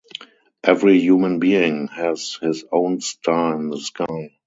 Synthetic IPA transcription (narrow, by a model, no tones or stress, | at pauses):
ʔɛvɹijuːmə̃nbiːɪ̃ŋhɛzhɪsõʊ̃nstʰaɪɪ̃nðəskʰaɪ